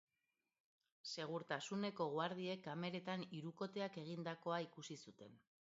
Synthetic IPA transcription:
se̞ɣ̞uɾt̪asune̞ko̞ɣwaɾð̞ie̞kːame̞ɾe̞t̪aniɾuko̞t̪e̞ake̞ɣ̞ind̪ako̞aikusisut̪e̞n

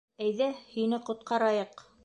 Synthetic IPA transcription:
æjðæhinɘqŏt̪̚qɑɾɑjɤq

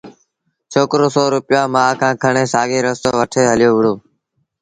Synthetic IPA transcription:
t͡ʃʰoːkɾoːsɔːɾʊpɪjãːmãːkʰãːkʰəɳeːsaːɡeːɾəst̪oːʋəʈʰeːɦəlɪjoːʋʊɽoː

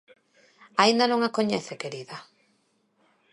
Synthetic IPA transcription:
aĩnd̪anõŋakoɲɛθekeɾiða

